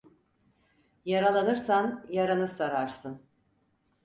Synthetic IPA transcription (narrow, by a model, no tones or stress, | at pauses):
jaɾalˠanɯɾsanjaɾanɯsaɾaɾsɯn